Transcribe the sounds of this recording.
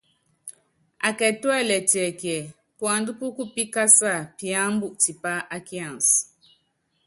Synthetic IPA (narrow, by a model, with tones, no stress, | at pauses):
a˨kɛ˨twɛ˦˨lɛ˨tɛ˨kjɛ˨ | pwa˨ndu˦ku˦ku˦pi˦ka˦sa˦˨pi˨ã˦m˦bu˦ʔti˨pa˦ʔa˦ki˦ã˨ns